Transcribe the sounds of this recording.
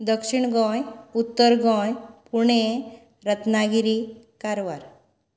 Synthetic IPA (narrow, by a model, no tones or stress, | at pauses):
d̪əkʂiɳɡɔ̃jut̪ːəɾɡɔ̃jpuɳ̃e | ɾət̪naɡiɾi | kaɾʋaɾ